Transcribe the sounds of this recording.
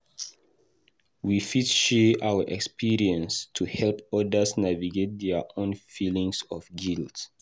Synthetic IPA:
wifitʃɛʔawəʔɛkspiɹiɛ̃nstʰuhɛlpɔdəsnaviɡet̚dɛʔõnfilĩŋsɔfɡilt

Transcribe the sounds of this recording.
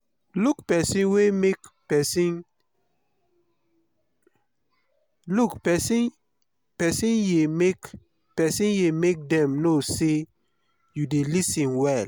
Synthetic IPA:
lukpɛsĩnwemekpɛsin | lukpɛsn | pɛsĩnjemek | pɛsĩnjemek̚dɛ̃mnose | judelisĩnwɛl

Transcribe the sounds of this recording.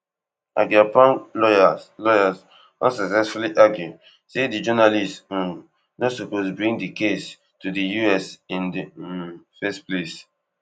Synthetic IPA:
ʔa̰ɡapãnlɔalɔjaz | ã̰nsaksɛsfuliʔaɡju | sedid͡ʒɔnalistɔ̃ | nɔtsɔposbɹĩŋdikes | tudijuɛsĩndi | fɛsples

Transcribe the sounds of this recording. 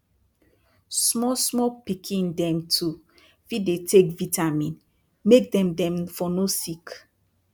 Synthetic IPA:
smɔsmɔpikʰĩndɛ̃mtʰu | fidetekvitamĩn | mek̚dɛ̃mdɛ̃mfɔnosik

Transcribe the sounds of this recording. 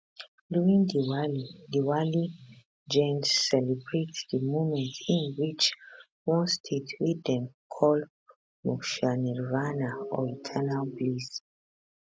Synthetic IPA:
luĩŋdiwalidiwali | d͡ʒɛ̃nsɛlibɹetdəmomɛ̃ntĩnwit͡ʃ | wɔ̃nstʰetʰwiɛ̃mkʰɔl | mɔʃanɛɹvanaɔ̰itʰɛnalblis

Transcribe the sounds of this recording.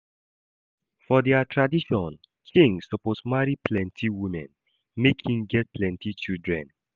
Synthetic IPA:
fɔdɛatʰɹadiʃɔ̃n | kʰĩŋsɔposmaɹipʰlɛ̃ntʰiwimɛ̰̃n | mekʰĩŋɡɛt̚pʰlɛ̃ntit͡ʃildɹɛ̰̃n

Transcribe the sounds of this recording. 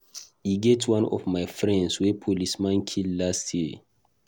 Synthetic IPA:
iɡɛtʰwãnɔ̰vmaɪfɹɛ̃ndswɛpʰolismãnkʰillastje

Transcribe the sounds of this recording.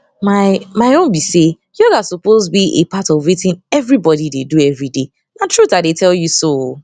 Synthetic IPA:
maɪmaɪõnbise | jɔɡasupoztbiʔḛpʰatɔvɹitɪ̃nɛvɹibɔdideduɛvɹide | natʰɹutaɪdetʰɛljuso

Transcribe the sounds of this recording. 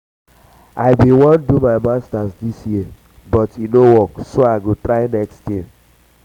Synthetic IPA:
aɪbĩwɔ̃ndumaɪmastasdisji | bɔtinowɔksoaɪɡutɾaɪnɛkstji

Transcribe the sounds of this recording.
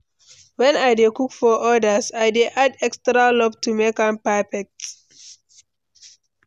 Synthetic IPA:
wɛ̃najdekukfɔʔɔdasajdeʔadɛkstɹalɔb̚tumekãmpafɛk̚t

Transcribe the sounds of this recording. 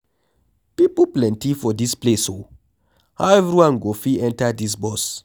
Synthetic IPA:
pipoplɛ̃ntifɔdispleso | ha̰wɛvɹiwãnɡofiɛ̃ntədis̬bɔs

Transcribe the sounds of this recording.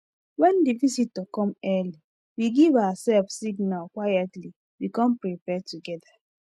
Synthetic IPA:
wɛ̃ndivisitːokɔ̃mɛli | wiɡivawasɛlfsiɡnalkwajatli | wikɔ̃mpɹipɛtuɡɛda

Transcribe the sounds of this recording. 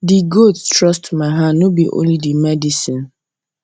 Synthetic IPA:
diɡotstɹɔstmaɪɦãːobiʔõ̰nlidimɛdisĩn

